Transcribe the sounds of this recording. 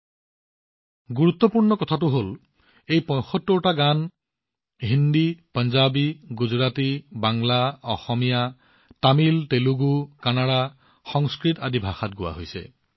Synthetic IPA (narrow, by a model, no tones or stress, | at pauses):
ɡuɹut̪ːɔpuɹnɔkɔtʰatʊɦol | ejpɔ̃jxɔtːɔɹtaɡan | ɦindipənzabiɡuzɹatibaŋlaɔxɔmija | tamilteluɡukanada | xɔŋskɹitadibʱaxat̚ɡʊwa̰ɦojsɛ̰